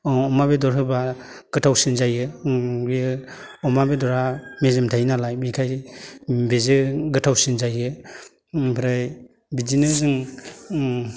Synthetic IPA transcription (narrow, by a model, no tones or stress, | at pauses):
ɔmabedɔɾɦɯba | ɡ̥ɯtʰawsinzajɯbi | ɔmabedɔɾamezemtʰajnalajmikʰaj | bezɯɡɯtʰawsinzajɯ | pʰɾɯj | bid͡ʒinɯzɯŋ